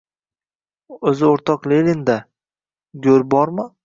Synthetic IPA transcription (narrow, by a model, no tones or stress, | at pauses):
ɵzɪoɾt̪ʰɒqlelʲɪnd̪a | ɡʲɵɾbɒɾmɪ